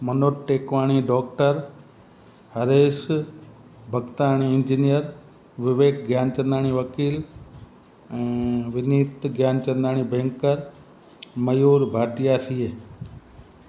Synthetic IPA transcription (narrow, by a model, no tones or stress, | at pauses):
mənoːʈʈːeːkʋaːɳ̃iɖɔːk̚ʈəɾ | hɐɾeːʃ | bʱəɡt̪aːɳ̃iɪnd͡ʒinijəɾ | ʋɪʋeːkɡʱjaːnt͡ʃɐ̃nd̪aːɳ̃iʋɐkiːl | ɛ̃ːʋɪniːt̪ɡjaːnt͡ʃɐ̃nd̪aːɳ̃ibẽːŋkəɾ | mɐjuːɾbʱaːʈɪjaːsie